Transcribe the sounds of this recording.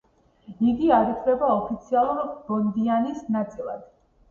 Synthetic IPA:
iɡiaɾit̪ʰvɛbaɔpʰit̪sʰialˠuɾbɔnd̪ianisnat̪sʼilˠa̰d̪̥

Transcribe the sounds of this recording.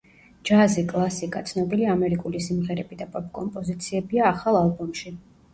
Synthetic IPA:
d͡ʒazikʼlˠasikʼat̪sʰnɔbiliamɛɾikʼulisimʁɛɾɛbid̪apʼɔpʼkʼɔmpʼɔzit̪sʰiɛbiaːχalˠalˠbɔmʃi

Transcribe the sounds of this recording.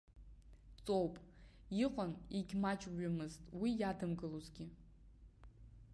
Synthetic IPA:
t͡sʼo̞wpʼiqʷʼaniɡʲmat͡ʃʰʼɥʊmɨztʼwijadɨmɡɨlozɡʲɪ

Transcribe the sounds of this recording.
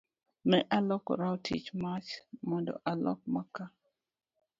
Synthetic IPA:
mɛʔalɔkɔ̰ɾaɔtʰḭt͡ʃmat͡ʃmɔndɔ̰ʔalɔ̰k̚maka

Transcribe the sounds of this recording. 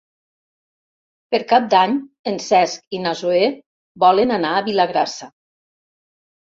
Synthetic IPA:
pəɾkap̚d̪aɲənsɛskinazoe | bɔlənanaːβilaɣɾasa

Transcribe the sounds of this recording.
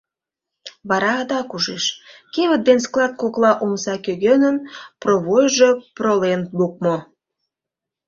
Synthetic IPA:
βɑɾɑːd̪ɑkuʒeʃkeβət̪̚d̪ensklɑt̪̚koklɑʔomsɑkøɣønənproβojʒe̽prolenluk̚mo

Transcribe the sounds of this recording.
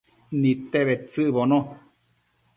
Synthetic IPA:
nĩt̪eβet͡sɨʔβonõ

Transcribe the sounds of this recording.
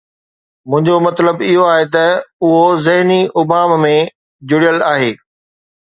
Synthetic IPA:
mʊ̃ɦɪ̃ɲd͡ʑomɐt̪ləbɪɦoaːɦet̪ɐʊɦozɪɦniʊbaːmmẽ | d͡ʑʊɽijəlaːɦeː

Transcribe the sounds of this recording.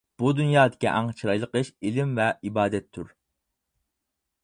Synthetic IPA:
b̥ud̪unjɑːd̪ɪkʲḭʔɑŋt͡ʃʰɾɑjlˠəqəʃilɪmvɛibɑːd̪ɛt̪ʰːuɾ

